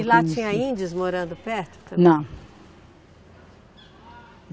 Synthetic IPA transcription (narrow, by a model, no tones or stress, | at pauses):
ɪlat͡ʃĩɲɐĩd͡ʒɪzmoɾɐ̃nd̪ʊpɛɾt̪ʊ̥t̪ɐ̃nɐ̃w̃